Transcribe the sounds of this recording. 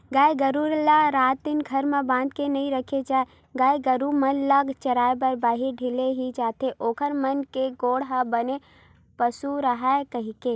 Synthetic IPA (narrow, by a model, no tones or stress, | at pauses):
ɡaːjɡəɾuɾlaɾaːt̪̚ːɪnɡʱɐɾmẽbãːnd̪̚kenɐĩɾəkʰed͡ʒaːe | ɡaːjɡəɾumənləɡt͡ʃɐɾaːebəɾbaːɦiɾɖʱɪleɦid͡ʒaːt̪ʰeʔoːkəɾmənkeɡoːɽɦabəne | pəsuɾəɦaekəɦike